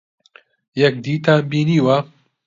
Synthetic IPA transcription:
jɛk̚d̪iːt̪ambiːniːwɐ

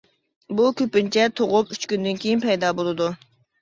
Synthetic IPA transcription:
bukʲøpynt͡ʃʰɛt̪ʰoʁʊpyt͡ʃkʲynd̪ynkʲʰejinpɛjd̪ɑːbolˠɨd̪u

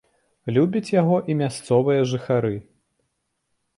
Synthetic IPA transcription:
lʲubʲɐt͡sʲjaɣɔʔimʲast̪sɔvɨjɐʐɨxaɾɨ

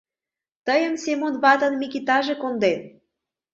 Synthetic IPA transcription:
t̪əjəmsemonβɑt̪ə̆nmikit̪ɑʒekond̪en

